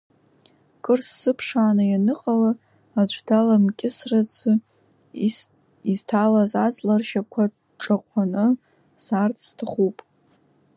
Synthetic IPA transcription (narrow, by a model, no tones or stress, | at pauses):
kʼɨrsːɨpʰʂaːnɨjanɨqʼala | ad͡ʒʷdalamkʲʼɪsrat͡sʰɨ | iztʰalazat͡sʼlarʃakʷʰad | ʈ͡ʂʼaqʷʰʼanɨ | sart͡sʰstʰaχupʼ